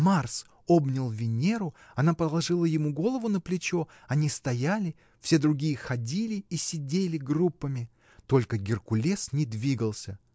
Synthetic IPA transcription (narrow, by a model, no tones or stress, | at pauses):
mars | obnʲɪlˠvʲɪnʲe̞ɾʊɐnapəlˠɐʐɨlˠəjɪmuɡo̞lˠəvʊnəplʲɪt͡ɕo | ɐnʲist̪ɐjalʲɪ | fsʲe̞d̪ɾʊɡʲijəxɐdʲilʲɪisʲɪdʲelʲɪɡrupːəmʲɪ | t̪o̞lʲkəɡʲɪrkʊlʲesnʲɪd̪vʲiɡəlˠsʲə